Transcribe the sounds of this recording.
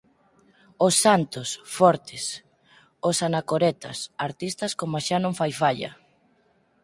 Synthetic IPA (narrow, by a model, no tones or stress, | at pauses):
osːant̪osfɔɾt̪es | osanakoɾɛt̪a̰saɾt̪ist̪ɐskomaʃanõŋfajfaʎɐ̰